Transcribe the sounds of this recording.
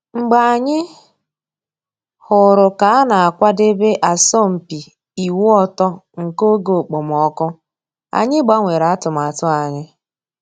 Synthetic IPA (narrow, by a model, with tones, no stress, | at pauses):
ŋ͡m̩˨ɡ͡ba˨a˨ɲɪ˦ | hʊ˨ɾʊ˨ka˨a˦na˨a˨kʷa˦de˦be˦ʔa˨sɔ˦m̩˨pi˨ | i˨wu˦ɔ˦tɔ˦ŋ̩˨ko˦ɡo˨o˨k͡po˨m˨ɔ˦kʊ˦ | a̰˨ɲɪ˦ɡ͡ba˦ŋʷe˨ɾa˨˦tʊ˨m˨a˨tʊ˦a˨ɲɪ˦